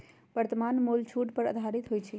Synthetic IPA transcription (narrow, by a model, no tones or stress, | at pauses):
bəɾt̪əmanmolt͡ʃʰuʈpəɾə̰d̪ʱaɾit̪ɦojt͡ʃʰɛ